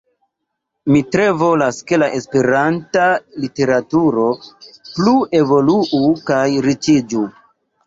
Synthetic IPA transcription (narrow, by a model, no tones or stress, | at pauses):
mitɾe̞vo̞laske̞laʔe̞spe̞ɾantalite̞ɾatuɾo̞plue̞vo̞luʔukajɾit͡ʃid͡ʒu